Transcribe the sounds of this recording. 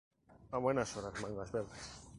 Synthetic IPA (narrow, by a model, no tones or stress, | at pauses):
aβwenasoɾazmãŋɡazβeɾðes